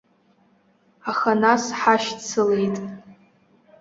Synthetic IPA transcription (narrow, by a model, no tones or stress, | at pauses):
aχanasħaʃt͡sʰɨle̞jtʼ